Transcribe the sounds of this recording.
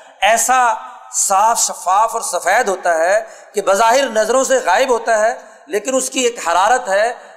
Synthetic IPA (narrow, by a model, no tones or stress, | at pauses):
ɛːsa | saːfʃɐfaːfɔːɾsɐfɛːd̪ɦoːt̪aɦɛ | kebɐzaːɦɪɾnɐzɾõseɣaːɪbɦoːt̪aɦɛ | leːkɪnʊskieːkhɐɾaːɾət̪ɦɛː